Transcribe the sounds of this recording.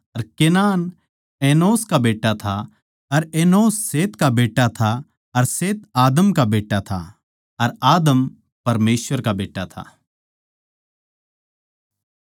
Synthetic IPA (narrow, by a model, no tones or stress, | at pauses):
ɐɾkeːnaːn | eːnoːskabeːʈːat̪ʰa | ɐɾeːnoːsːeːt̪kabeːʈːat̪ʰa | ɐɾseːt̪̚aːd̪əmkabeːʈːat̪ʰa̰ | ɐɾaːd̪əm | pɐɾmeːsʋəɾkabeːʈːat̪ʰa̰